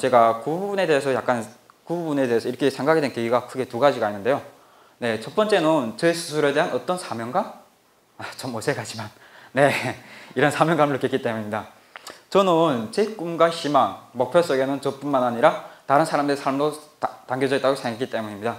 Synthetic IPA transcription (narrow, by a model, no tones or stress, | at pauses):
t͡ɕe̞ɡakububune̞de̞esʰʌjak͈̚an | kububune̞de̞esʰʌiɾʌkʰe̞sʰe̞ŋɡakɡedwenkeɡiɡakʰɯɡe̞tuɡad͡ʑiɡainːɯnde̞jo | ne̞t͡ɕʌp͈ʌnt͡ɕ͈e̞nɯnt͡ɕesʰu̥sʰuɾede̞ɦanʌt͈ʌnsʰamjʌŋɡa | at͡ɕʌmːosʰe̞kad͡ʑiman | ne̞iɾʌnsʰamjʌŋɡamɯɭɯk͈etk͈it͈e̞muɲimɲida | t͡ɕʌnɯnt͡ɕek͈umɡwaɕimaŋmʌk̚pʰjʌs͈ʌɡe̞nɯnt͡ɕʌp͈unmanaɲiɾataɾɯnsʰaɾamdɯɾesʰaɭmɾoataŋɡjʌd͡ʑʌit͈aɡosʰeŋɡek͈it͈e̞muɲimɲida